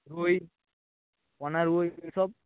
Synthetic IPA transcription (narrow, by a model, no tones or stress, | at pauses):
ɾuj | pɔnaɾuojsɔb̚